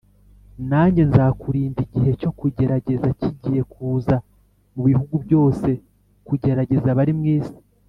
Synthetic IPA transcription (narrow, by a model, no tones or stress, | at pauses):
naːɲɟe̞nzakuɾiːndiɟiɦe̞co̞kuɟe̞ɾaɟe̞zaciɟije̞kuːza | muβihuɡubjo̞ːse̞ | kuɟe̞ɾaɟe̞zaβaɾimŋiːzi̥